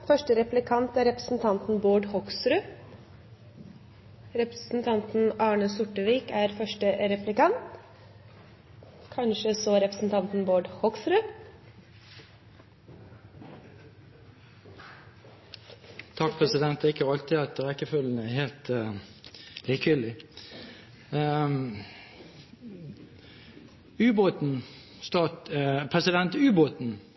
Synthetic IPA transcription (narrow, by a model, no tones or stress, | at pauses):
fœʂʈəɾɛplɪkʰɑnt̪æːɾɛpɾəsn̩t̪ʰɑnt̪n̩boːɖhɔksɾʉ | ɾɛpɾəsn̩t̪ʰɑnt̪n̩ɑːɳəsʊʈəʋiːkæːɾfœʂʈəɾɛplɪkɑnt̪ | kʰɑnʃəsɔɾɛpɾəsn̩t̪ʰɑnt̪n̩boːɖhɔksɾʉ | t̪ʰɑk̚pʰʁɛsɪd̪ɛnt̪ɪkːəɑlt̪ɪɑt̪ʁɛkːəfœln̩æheːlt̪ | liːkʏlɪ | ʉːboːt̪n̩ | st̪ɑːt̪pʰɾɛsɪd̪ɛnt̪ʉːboːt̪n̩